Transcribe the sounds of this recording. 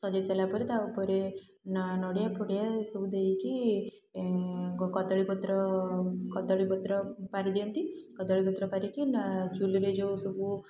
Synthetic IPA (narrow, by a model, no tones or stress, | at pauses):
sɔd͡ʒaselapɔɾet̪aupɔɾe | nnɔɽjapʰɔɽjasɔbud̪eiki | kɔt̪ɔɭipɔt̪ɾɔkɔt̪ɔɭipɔt̪ɾɔpaɾid̪iɔnt̪ikɔt̪ɔɭipɔt̪ɾɔpaɾikind͡ʒuliɾed͡ʒowsɔbu